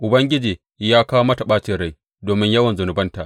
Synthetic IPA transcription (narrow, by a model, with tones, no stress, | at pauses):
ʔʊ˨bɐ˦ŋɡʲɪ˦d͡ʒiː˨ | jaː˦kaː˦wmɐ˦ta˨ɓaː˦t͡ʃɪ˨ɽa˦˨j | doː˨mɪ˦ɲjɐ˦wɐ˨nzʊ˨nʊ˨bɐ˦nta˨ʔ